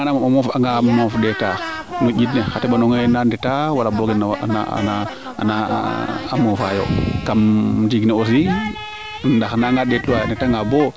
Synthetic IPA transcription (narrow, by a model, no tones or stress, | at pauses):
anamamamofaŋɡamofdeta | ŋuɟitnexatebanoŋenandetawalaboɡen̰na̰a̰na | a̰na̰amofajo̰kamdiɡneosi | ndaxnaŋɡadetuwandetaŋɡabo